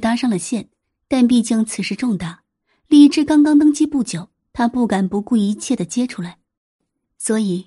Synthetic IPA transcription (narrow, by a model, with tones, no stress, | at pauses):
t̪a˥ʂɑ˥ŋlə˩ɕjɛ˥˩n | t̪a˥˧npi˥˧t͡ɕi˥˩ŋt͡sʰɹ̩˨˩ʂɻ̩˥˧ʈ͡ʂʊ˥˧ŋt̪a˥˩ | li˥˧ʈ͡ʂɻ̩˥˧kɑ˥ŋkɑ˥ŋt̪ɤ˥ŋt͡ɕi˥pu˥˩t͡ɕjo˨˩˦ʊ | t̪ʰa˥pu˥˩ka˨˩npu˧˥ku˥˩i˧˥t͡ɕʰjɛ˥˩d̪ə˩t͡ɕjɛ˥ʈ͡ʂʰu˥˩la˧˥ɪ | swɔ˧˥i˨˩˦